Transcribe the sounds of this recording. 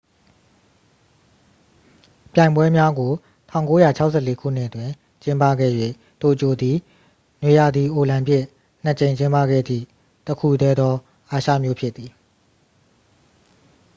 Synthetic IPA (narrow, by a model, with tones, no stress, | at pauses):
pjã˨ɪ̃mbwɛ˦mja˦ɡo˨ | tʰã˦˨ʊ̃ŋko˦ja˦˨t͡ɕʰa˦ʊʔsʰɛ˦˨le˦kʰṵ˦˨n̥ɪ˦ʔətwɪ̃˨ | t͡ɕɪ̃˦mpa̰˦˨ɡɛ̰˦˨jwḛ˦˨ | to˨ət͡ɕo˨d̪i˨ | nwe˨ja˨d̪i˨ʔo˨lã˨mpjɪ˦˨ | n̥ə˨t͡ɕẽ˨ɪ̃ɲt͡ɕɪ̃˦mpa̰˦˨ɡɛ̰˦˨d̪ḭ˦˨ | təkʰṵ˦˨dɛ˦d̪ɔ˦ | ʔa˨ʃä̰˦˨mjo˦pʰjɪ˦t̪t̪ːi˨